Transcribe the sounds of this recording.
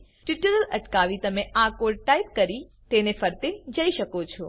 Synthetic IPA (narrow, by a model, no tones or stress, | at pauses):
ʈuʈəɾələʈkaʋit̪əmeakoɖʈaip̚kəɾi | t̪enefəɾt̪ed͡ʒəiʃəkot͡ʃʰɔ